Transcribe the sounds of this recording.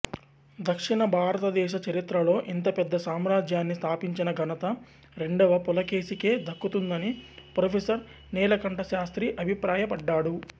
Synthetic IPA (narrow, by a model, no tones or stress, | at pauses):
d̪ɐkʂiɳɐbʱaːɾɐt̪ɐd̪ɛːʃ̬ɐt͡ʃɐɾit̪ɾɐlo̞ːʔint̪ɐpɛd̪ːɐsaːmɾaːd͡ʒjaːnːist̪ʰaːpiɲt͡ʃinɐɡʱɐnɐt̪ɐ | ɾe̞ɳɖɐʋɐpulɐke̞ːsike̞ːd̪ʱɐkːut̪und̪ɐnipɾopʰeːsɐɾ | nɛːlɐkɐɳʈɐʃaːst̪ɾiʔɐbʱipɾaːjɐpɐɖːaːɽu